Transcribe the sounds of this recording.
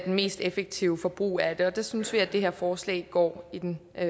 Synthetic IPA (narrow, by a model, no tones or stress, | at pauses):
d̥enme̝̰ːsd̥efeɡ̥̚t͡sʰiʊfɒ̽b̥ʁṵːæd̥e̝ɒ̽d̥asynsʋiæd̥e̝ɦæɐ̰fɒːslɛ̰ːɪɡ̥ɒ̰ːid̥en